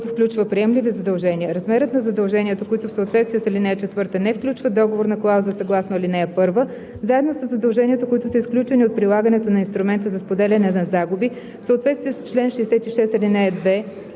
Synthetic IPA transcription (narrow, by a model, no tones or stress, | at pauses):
t̪ʊfklʲut͡ʃvəpɾiɛmlivizɐd̪ɐlˠʒɛnʲiəɾɐzmɛɾət̪nɐzɐd̪ɐlˠʒɛniət̪əkoit̪ʊfsəot̪vɛt̪st̪viəsɐlʲinɛɛt͡ʃɛt̪vɤɾt̪ənɛfklʲut͡ʃvəd̪ɔɡovoɾnɐklˠawzəsɐɡlˠasnoilʲinɛɛpɤɾvə | zaɛd̪nosəzːɐd̪ɐlˠʒɛnʲiət̪əkoit̪ʊsəisklʲut͡ʃɛniot̪̚pɾilˠaɡənɛt̪onɐinst̪ɾumɛnt̪əzɐspod̪ɛlʲɐnɛnɐzaɡubi | fsəoːt̪vɛt̪st̪viɛst͡ʃlɛnʃɛɛsɛt̪iʃɛst̪ɐlinɛɛd̪vɛ